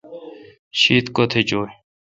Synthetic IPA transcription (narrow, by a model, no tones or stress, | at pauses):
ɕiːt̪kot̪ʰet͡ɕoː